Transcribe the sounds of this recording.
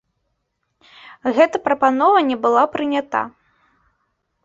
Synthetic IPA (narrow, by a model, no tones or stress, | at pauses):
ɣɛt̪ɐpɾɐpanɔvɐnʲɛbɨlˠapɾɨnʲat̪a̰